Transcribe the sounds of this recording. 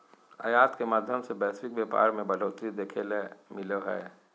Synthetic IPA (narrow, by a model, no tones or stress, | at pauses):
əjaːt̪kemaːd̪ʱjəmsebɛːsɪk̚bjeːpa̰ːɾmẽbɐloːt̪ɾid̪eːkʰelemɪleɦɛ̰ː